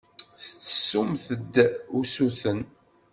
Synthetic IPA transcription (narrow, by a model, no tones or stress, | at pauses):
θət͡sːəsumθəd̪ːusuθən